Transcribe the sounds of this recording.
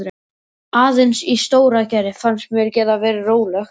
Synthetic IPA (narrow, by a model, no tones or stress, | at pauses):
ɾ | aːðɪnsist̪oːwɾacaɾɪfanst̪mjɛɾcɛːðavɛːɾɪroːwlɛxt